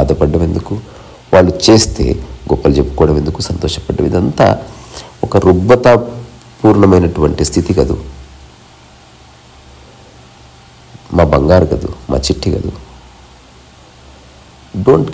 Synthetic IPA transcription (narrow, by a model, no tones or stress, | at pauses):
aːd̪ɐpɐɖːɐme̞nd̪uku | ʋaːɭːut͡ʃe̞ːst̪e̞̰ːɡɔpːɐld͡ʒepːu̥kɔːɽɐme̞nd̪ukusɐnt̪ɔːʃɐpɐɖːɐ̰mḭd̪ɐnt̪a̰ːɔkɐɾuɡbɐt̪a | puːɾɳɐmɐjnɐʈuʋɐɳʈist̪ʰit̪ikɐd̪ṵ | maːbɐŋɡaːɾuɡɐd̪ṵma̰ːt͡ʃiʈːikɐ̰d̪ṵ | ɖoːɳʈ